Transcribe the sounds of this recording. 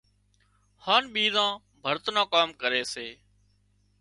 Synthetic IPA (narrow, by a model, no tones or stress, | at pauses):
haːnɓiːzãː | bʱəɾt̪nãːkaːmkəɾeːseː